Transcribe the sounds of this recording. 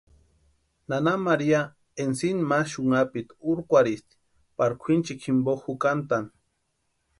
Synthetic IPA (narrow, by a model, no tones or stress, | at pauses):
nanamaɾia | ensinmaʃuŋapit̪uɾkʷaɾist̪i̥ | paɾkʷʰint͡ʃikʰimboxukant̪an